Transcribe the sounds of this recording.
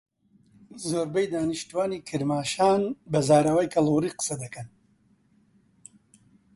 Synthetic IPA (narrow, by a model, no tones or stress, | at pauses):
zoːɾbɐjd̪aːnɨʃt̪uwaːniːkʰɨɾmaːʃaːnbɐzaːɾɐwaːjkʰɐlˠuːɾiːqɨ̥sɐd̪ɐkɐn